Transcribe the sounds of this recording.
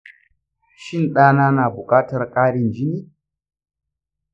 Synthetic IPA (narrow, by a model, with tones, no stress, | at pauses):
ʃɪ˦˨nɗaː˦naː˦naː˨bʊ˨kʼaː˦tɐ˨rkʼaː˦ɽɪ˨nd͡ʒɪ˦niː˦